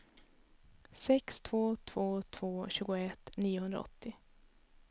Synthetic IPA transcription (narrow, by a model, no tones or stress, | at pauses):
sɛkst̪ʰvoːt̪ʰv̥oːt̪ʰv̥oːɕʉ̟ːɡʊɛt̪ːniːʊhɵnd̪ɾa̰ɔ̰t̪ʰːɪ